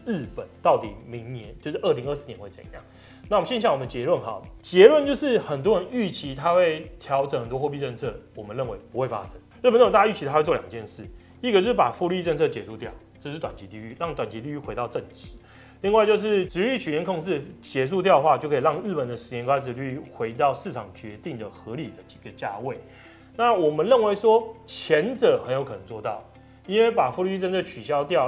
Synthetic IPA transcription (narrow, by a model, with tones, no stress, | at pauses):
ɻ̩˥˩pə˨˩˦nt̪ɑ˥˩ʊt̪ḭ˨˩mi˧˦˥ŋnjɛ˧˦nt͡ɕjo˥˧ʊʂɻ̩˥˧ʔə˥˩li˧˦ŋə˥˧sɹ̩˥˩njɛ˧˦nwe˥˧ɪt͡sa̰˥˩˨jɑ̰˥˨˩ŋ | na˥˩˨ə˨ɕɛ˥˧n˥ɕja˥˩ŋwə˨˩˨t͡ɕjɛ˧˥lwə˥˩nxɑ̰˨˩˦t͡ɕjɛ˧˥lwə˥˧nt͡ɕjo˥˧ʊʂɻ̩˥˩xə˨˩nt̪wɔ˦˥ɻə˧˦ny˥˩t͡ɕʰi˧˥t̪ʰa˥xwe˥˩ɪt̪ʰjɑ˧˥ʊʈ͡ʂə˨˩ŋxə˨˩nt̪wɔ˥xwɔ˥˧pi˥˧ʈ͡ʂə˥˧nt͡sʰɤ˥˩wɔ˨˩mə˦nɻə˥˩nwe˧˦ɪpu˧˦xwe˥˩ɪfa̰˦˥ʂə˦ŋɻ̩˥˩˨nə˥˩wta˥y˥˩i˧a˦xwɪt͡swja˨˩ŋt͡ɕjɛ˥˧nʂɻ̩˥˩ | i˥˩ɡə˩t͡ɕjo˥˧ʊʂ̩˥˩pa˨˩fu˥˧ly˥˧i˧ə˥˧nt͡sʰɤ˥˩t͡ɕjɛ˨ʂu˥˧t̪jɑ˥˩ʊʈ͡ʂɤ˥˧ʂ̩˥˩t̪wa˨˩nt͡ɕʰi˨˧˥t̪i˥˧y˥˧ɻɑ˥˩ŋt̪wa˨˩nt͡ɕʰi˧˦t̪i˥˧y˥˩xwe˧˥ɑ˥˧ʊʈ͡ʂə˥˩ŋt͡ɕi˨˥˦ | li˥˧ŋwa˥˧ɪt͡ɕjo˥˧ʊʂɻ̩˥˩ʈ͡ʂɻ̩˧˥y˥˩t͡ɕʰy˨˩jɛ˧˥nkʰo˥˧ŋʂɻ̩˥˩t͡ɕjɛ˧˥s̬u˥˧t̪jɑ˥˧ʊxwa˥˧˨t͡ɕjo˥˧ʊkʰɻɑ˥˧ŋɻɻ̩˥˩pə˨˩nd̪ə˩˦ʂɻ̩˧˥jɛ˧˥nkwa˥ɪt͡s̩˧ly˥˧xwe˧˥ɪt̪ɑ˥˧ʊʂɻ̩˥˩ʈ͡ʂʰɑ˨˩ŋt͡ɕɥɛ˧˦t̪i˥˩ŋd̪ə˩xɤ˧˦li˨˩d̪ə˦t͡ɕi̥˨˩ɡə˦t͡ɕja̰˥˧we˥˩ɪ | na˥˩wɔ˨˩mə˦nɻə˥˩nwe˧˥ɪʂwɔ˥t͡ɕʰjɛ˧˦˥nt͡sɤ˨˩xə˧˥njo˧ʊkʰɤ˨nə˧˦ŋt͡swɔ˥˧t̪ɑ˥˩ʊ | i˥nwe˥˩ɪpa˨˩fu˥˧y˥˧˥i˥˧ə˥˧nt͡sʰɤ˥˩t͡ɕʰy˨˩ɕjɑ˥ʊt̪jɑ˥˨ʊ